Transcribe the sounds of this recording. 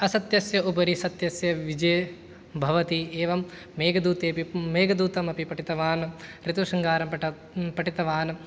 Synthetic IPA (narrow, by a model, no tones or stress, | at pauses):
ɐsɐt̪jɐsjɐubɐɾisɐt̪jɐsjɐʋid͡ʒeː | bʱɐʋɐt̪ieːʋɐmː | eːɡɐd̪uːt̪eːpimeːɡɐd̪uːt̪ɐmɐpipɐʈit̪ɐʋaːnɾit̪uʂɐŋɡaːɾɐmpɐ | pɐʈit̪ɐʋaːn